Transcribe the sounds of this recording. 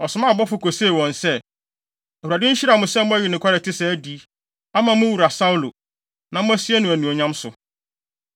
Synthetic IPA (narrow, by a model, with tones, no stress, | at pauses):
ɔ˨sʊ˨˦mã˦˨bɔ˦fʊ˦ko˨se˦˨wɔ̃˨nsɛ˦ | æ˨hu˨ɾa˨dɪ̃˦ɲ̩˦ɕi˦ɾa˨mʊ̃˨sɛ˦mʊ̃˦ɔ˦jɪ˨nɪ̃˨kʰʷa˦ɾɛ˨tʰɪ˦sɛ˨æ˦di˦ | a˦mã˨˦mʊ̃˦wu˨ɾa˨sa˦u˦lo˨ | nã˨mʊ̃˦æ˦si˦ɛ˦nʊ̃˨æ˨nũ˨o˨ɲã˦msʊ˨